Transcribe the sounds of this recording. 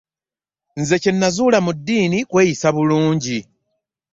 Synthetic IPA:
nze̞cenːazulamudːiːnikwe̞ːjisaβuluːɲɟi

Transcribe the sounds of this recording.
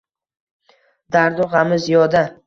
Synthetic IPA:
d̪aɾd̪ɒʁamɪzjɒd̪a

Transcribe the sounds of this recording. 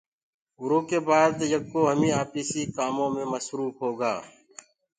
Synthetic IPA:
ʊɾoːkebaːd̪jɐkːoːɦəmĩːaːpiːsikaːmõːmẽməsɾuːfɦoːɡaː

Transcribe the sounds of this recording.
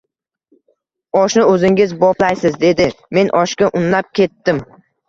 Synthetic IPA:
ɒʃnɪɵzɪŋʲɪzbɒplajsɪzd̪e̞d̪ɪme̞nʔɒʃkʲaʔʊnlap̚kʲʰe̞t̪ːɪm

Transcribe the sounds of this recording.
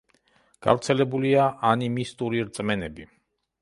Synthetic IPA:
ɡ̥a̰vɾt̪sʰɛlɛbuliaʔanimist̪ʼuɾiɾt̪sʼmɛnɛbi

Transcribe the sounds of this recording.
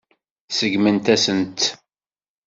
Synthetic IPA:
səɡmənt̪æsənt̪

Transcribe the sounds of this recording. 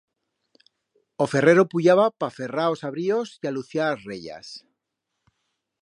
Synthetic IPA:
o̞fe̞re̞ɾopuʎaβapafe̞raosaβɾiosialuθjaɾazreʝa̰s

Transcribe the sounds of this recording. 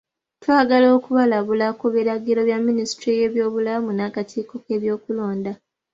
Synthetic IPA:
twaːɡalo̞ːkuβalaβulakuβiɾaɡiloβjamːinistɾije̞ːβjo̞ːβulamunakatʰiːko̞ke̞ːβjo̞ːkulo̞ːnda

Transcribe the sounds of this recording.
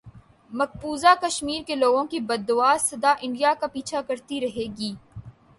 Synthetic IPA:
mɐk̚puːzakɐʃmiːɾkeloːɡõkibɐd̪ːʊʋaːɾsɐd̪aʔɪ̃ɳɖijakapiːt͡ʃʰakɐɾt̪iɾɐɦeːɡiː

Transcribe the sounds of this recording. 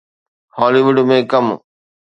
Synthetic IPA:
hɔːliːʋʊɖmẽːkɐm

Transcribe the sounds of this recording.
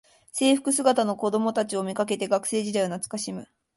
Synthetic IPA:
se̞ːɸɯ̟̥kɯ̟sɨɡat̪ano̞ko̞d̪o̞mo̞t̪at͡ɕio̞mʲikak̬e̞t̪e̞ɡakɯ̟̥se̞ːʑid̪aionat͡sɨ̥kaɕimɯ̟

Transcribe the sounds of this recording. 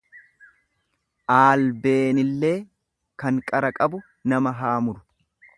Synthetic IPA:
ʔaːlbe̞ːnɪlːe̞ː | kɐŋkʼɐɾɐkʼɐbʊ | nɐmɐɦaːmʊɾʊ̥

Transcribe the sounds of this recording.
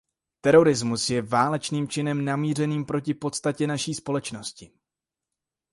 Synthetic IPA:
t̪ɛɾo̞ɾɪzmusjɛvaːlɛt͡ʃniːmt͡ʃɪnɛmnamiːr̝ɛniːmpɾo̞cɪpo̞t̪st̪acɛnaʃiːspo̞lɛt͡ʃno̞scɪ

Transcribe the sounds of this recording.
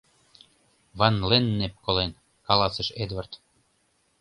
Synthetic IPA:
βɑnlenːep̚kolen | kɑlɑsə̆ʃed̪vɑrt̪

